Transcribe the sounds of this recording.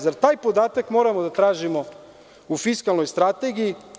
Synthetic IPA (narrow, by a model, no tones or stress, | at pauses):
zaɾt̪aːjpo̞d̪aːt̪akmo̞ːɾamod̪at̪ɾaːʒimo̞ | ufiskalˠno̞jst̪ɾat̪eɡiji